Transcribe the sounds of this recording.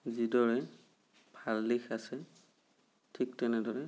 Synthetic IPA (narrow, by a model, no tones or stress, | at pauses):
zidɔɹɛ | bʱalːixasɛ | tʰik̚tɛnɛdɔɹɛ